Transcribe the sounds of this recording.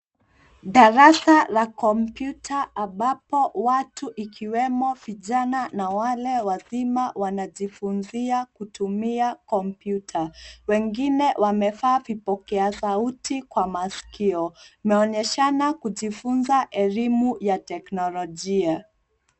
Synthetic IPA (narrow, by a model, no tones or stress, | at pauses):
ɗaɾasalakɔmpjutʰaʔamɓapɔwatuʔikʰiwɛmɔviʄananawalɛwaðimawanaʄifunziakutumiakɔmpjutʰawɛŋɡinɛwʔamɛfaːvipɔkɛasautikwamaskiɔimɛɔɲɛʃanakuʄifunzaʔɛlimujatɛknɔlɔʄia